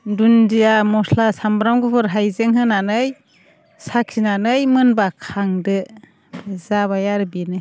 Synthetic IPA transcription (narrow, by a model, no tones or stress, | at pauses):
dundijamɔslasambɾamɡupʰɯɾɦajzeŋɦɯnanɯj | sakʰinanɯjmɯnbakʰaŋdɯ | bɯzaβajaɾɯbinɯj